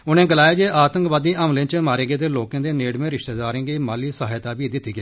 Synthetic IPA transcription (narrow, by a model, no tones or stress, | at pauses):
ʊnẽːɡəlaːeːd͡ʒeːʔaːt̪ə̃ŋkʋaːd̪iːʔəmlẽːt͡ʃəmaːɾeːɡeːd̪eːloːkẽːd̪eːneːɽmẽːɾɪʃt̪eːd̪aːɾẽːɡiːmaːliːsəɦaːjt̪aːbiːd̪ɪt̪ːiːɡeː